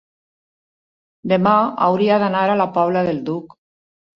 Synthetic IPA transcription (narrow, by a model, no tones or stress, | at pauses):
d̪emaa̰wɾiaðanaɾalapaβlaðeld̪uk